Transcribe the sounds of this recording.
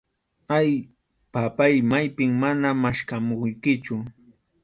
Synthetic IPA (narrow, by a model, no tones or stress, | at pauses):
aj | papajmajpɪŋmanamaʃkamojkɪt͡ʃʊ